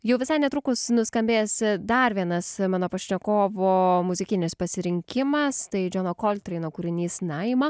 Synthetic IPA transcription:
jɛʊʋʲɪsɐɪnʲɛt̪ɾuːkʊsnʊskɐmʲbʲeːjsʲɪd̪ɐɾʋʲiɛnɐsmɑːnoːpɐʃʲnʲɛkoːʋoːmʊzʲɪkʲɪnʲɪspɐsʲɪɾʲɪŋʲkʲɪmɐst̪ɐɪd͡ʒʲoːnoːkoːlʲt̪ʲɾʲɛɪnoːkʊɾʲɪnʲiːsnɐɪmɐ

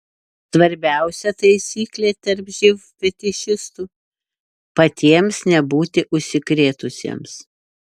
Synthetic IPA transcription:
sʋɐɾʲbʲæˑʊsʲɛt̪ɐɪsʲiːklʲeːt̪ʲɐɾpʒʲɪʋfʲɛt̪ʲɪʃʲɪst̪uː | pɐt̪ʲiɛmsnʲɛbuːt̪ʲɪʔʊʃʲsʲɪkɾʲeːt̪ʊsʲḛms

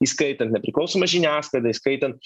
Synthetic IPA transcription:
iskɐɪt̪ʲɛnt̪nʲɛpʲɾʲɪklˠɐʊsoːmɐʒʲɪnʲæːslˠɐɪd̪ɐiskɐɪt̪ʲɛnt̪̚

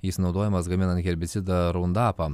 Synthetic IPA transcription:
jisnɒʊd̪oːjɛmɐsɡɐmʲɪnɐnt̪ɡʲɛɾʲbʲɪt̪sʲɪd̪ɐɾund̪ɑːpɐ

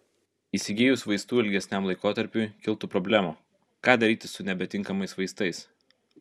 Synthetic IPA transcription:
iːsʲɪɡʲeːjʊsʋɐɪst̪uːɪlʲɡʲɛsʲnʲɛˑmlˠɐɪkoːt̪ɐɾʲpʲujkʲɪlˠt̪uːpɾɔbʲlʲæːmuː | kɑːd̪ɐɾʲiːt̪ʲɪsʊnʲɛbʲɛt̪ʲɪŋkɐmɐɪsʋɐɪst̪ɐɪs

